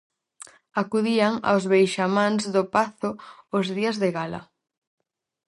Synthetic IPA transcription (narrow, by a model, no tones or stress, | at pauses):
akuðiaŋa̰ozβejʃamãnzðʊpaθʊʊzðiɐzðeɣalɐ̰